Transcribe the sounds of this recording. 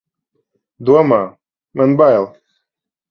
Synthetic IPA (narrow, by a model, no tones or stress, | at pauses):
d̪wama | mənbajlˠ